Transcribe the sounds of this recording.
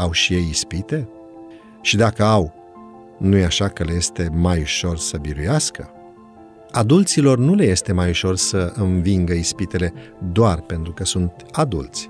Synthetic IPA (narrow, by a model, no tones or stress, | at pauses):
awʃije̞jispit̪e̞ | ʃid̪akəaw | nujeaʃakəle̞je̞st̪e̞majuʃo̞rsəbiɾujaskə | ad̪ult̪silo̞rnule̞je̞st̪e̞majuʃo̞rsəɨnviŋɡəispit̪e̞le̞d̪oarpe̞nt̪ɾukəsunt̪ad̪ṵlt̪sʲ